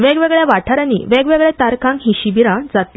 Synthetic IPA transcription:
ʋɛɡʋeɡɭjaʋaʈʰaɾanḭːʋɛɡʋeɡɭɛt̪aɾkʰãŋkɦiɕibiɾãd͡zat̪li

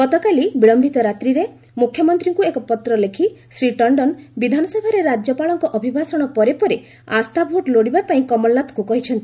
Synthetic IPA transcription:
ɡɔt̪ɔkalibiɭɔmbʱit̪ɔɾat̪ɾiɾe | mukʰjɔmɔnt̪ɾiŋkuekɔpɔt̪ɾɔlekʰisɾiʈɔɳɖɔnbid̪ʱanɔsɔbʱaɾeɾad͡ʒjɔpaɭɔŋkɔʔɔbʱibʱasɔɽ̃ɔpɔɾepɔɾe | a̰st̪abʱoʈloɽibapaĩkɔmɔlːat̪ʰɔ̥kukɔɦit͡ʃʰɔnt̪i

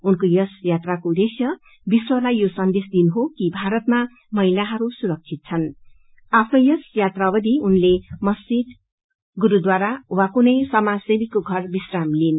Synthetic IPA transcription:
unkojʌsjat̪rakod̪esjʌ | biswʌlajjosʌnd̪esd̪inɦokibʱaɾʌt̪̚ma | mʌɦilaɦʌɾusuɾʌk̚t͡sʰit̪̚t͡sʰʌn | apʰnʌjʌsjat̪rabʌd̪iunlemʌst͡ʃid̪ | ɡuɾud̪waɾawakunʌjsʌmasemikoɡʱʌrbisramlin

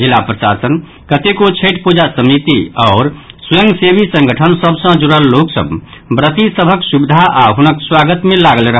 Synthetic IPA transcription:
d͡ʒilːapɾəʃa̰sən | kət̪ekot͡ʃʰeʈpud͡ʒasəmit̪iaʊɾsujə̃ŋɡsebʱisə̃ŋɡʱəʈʰənsəbsə̃d͡ʒuɾəlːoksə̰bbɾət̪isəbʱəksubd̪ʱaʔaɦunəkswaɡət̪melaɡəlɾəɦ

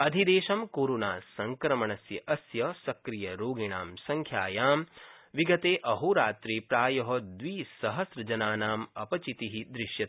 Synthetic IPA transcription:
ɐd̪ʱid̪eːʃɐmkoːɾonaːsɐŋkɾɐmɐɳɐsjɐʔɐsjɐsɐkɾijɐɾoːɡiɳaːmsɐŋkʰjaːjaːmʋiɡɐt̪eːʔɐɦuɾaːt̪ɾiːpɾaːjɐɦɐd̪ʋiːsɐɦɐsɾɐd͡ʒɐnaːnaːmɐpɐt͡ʃit̪iɦid̪ɾɪʃjɐt̪

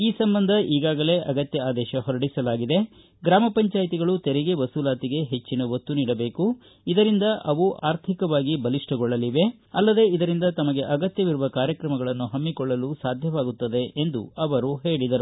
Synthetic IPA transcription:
iːsɐmbɐnd̪ʱɐʔiːɡaːɡɐle̞ːʔɐɡɐt̪jɐaːd̪ɛːʃɐɦɔɾɐɽisɐlaːɡid̪e̞ | ɡɾaːmɐpɐɲt͡ʃaːjt̪iɡɐɭut̪ɛɾiɡeʋɐsuːlaːt̪iɡe̞ɦet͡ʃːinɐʋot̪ːuniːɽɐbe̞ːku | id̪ɐɾind̪ɐʔɐʋuʔaːɾt̪ʰikɐʋaːɡibɐliʂʈɐɡɔɭːɐliʋe̞ | ɐlːɐd̪e̞id̪ɐɾind̪ɐt̪ɐmɐɡe̞ʔɐɡɐt̪jɐʋiɾuʋɐkaːɾjɐkɾɐmɐɡɐɭɐnːuɦɐmːikɔɭːɐlusaːd̪ʱjɐʋaːɡut̪ːɐd̪e̞ʔend̪ṵɐʋɐɾuɦeːɭid̪ɐɾu

